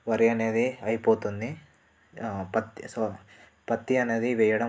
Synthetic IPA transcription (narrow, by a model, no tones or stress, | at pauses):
ʋɐɾɛjɐned̪iɐjpoːt̪und̪i | pɐt̪ːiso | pɐt̪ːiɐned̪iʋejɐɽɐ